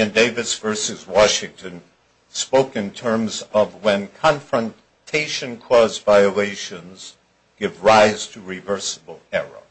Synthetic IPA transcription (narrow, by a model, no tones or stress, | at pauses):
ɨ̃ndeɪvɨsv̥ɜ˞sɨzwɑʃɪ̃ŋtʰɨ̃n | spoʊkɨ̃ntʰɜ̃˞mzʌvwɨ̃nkʰɑ̃ɱfɹə̃n | tʰeɪʃɨ̃nkʰɔzvaɪəleɪʃɨ̃nz̥ | ɡ̥ɪvɹaɪz̥tʰɨɹɨvɜ˞səbl̩ˠɛɹə̰